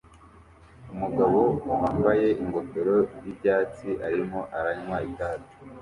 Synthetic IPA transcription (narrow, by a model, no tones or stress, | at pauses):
umuɡaβo̞uhaːmbaje̞ʔiŋɡo̞to̞ɾo̞jibɟaːt͡siʔaɾimo̞ʔaɾaɲwaitaːto̥